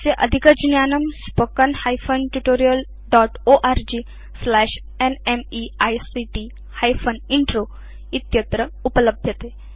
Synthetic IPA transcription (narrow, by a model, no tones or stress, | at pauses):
seʔɐ̰d̪ʱikəd͡ʒnjaːnɐmspokənhajfʰənʈuʈoːɾijəl | ɖɔʈoʔaɾd͡ʒiː | slɛːʃ | enemiajsiʈi | hajfʰəniɳʈɾo | it̪jət̪ɾəupələbʱjət̪e